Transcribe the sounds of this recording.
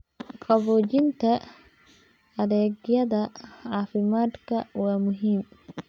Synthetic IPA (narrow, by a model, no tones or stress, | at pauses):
kʼɐvɔːd͡ʒɪnt̪ʰɐ | ɐɾɛːɡjɐðɐʕaːfɪmaːd̪kʰɐwaːmʊɦiːm